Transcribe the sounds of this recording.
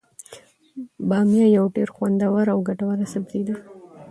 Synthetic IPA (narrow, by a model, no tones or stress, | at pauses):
bɑmjajawʈeɾxwand̪awaɾawɡaʈawaɾasabd̪id̪a